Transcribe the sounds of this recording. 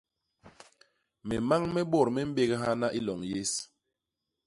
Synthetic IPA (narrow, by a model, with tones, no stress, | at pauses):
me˨ma˦ŋmɛ˦ɓɔ˦˨ɾmɛ˦m̩˦be˦ɣɦa˦na˦ʔi˦lɔ˨ŋje˦s